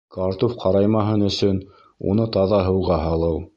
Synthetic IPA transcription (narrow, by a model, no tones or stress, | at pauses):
kɑɾt̪ofqʰɑɾɑjmɑɦɤnɵ̆sɵn | ṵnɤt̪ɑðɑɦɤ̆wʁɑɦɑlˠɤw